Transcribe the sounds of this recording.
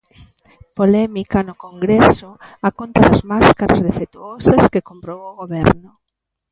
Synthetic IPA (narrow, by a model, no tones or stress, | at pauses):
polɛmikanʊkoŋɡɾesʊakont̪ɐðɐzmaskaɾazðefet̪uɔsɐskekompɾowoɣoβɛɾnʊ